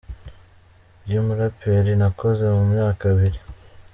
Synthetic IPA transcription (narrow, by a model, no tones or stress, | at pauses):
bjumuɾapʰeɾinako̞ze̞mumɲaːkaβiɾi